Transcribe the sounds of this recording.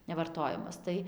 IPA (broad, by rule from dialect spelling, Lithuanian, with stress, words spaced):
nʲɛʋɐrˈtoːjɛmɐs ˈtɐɪ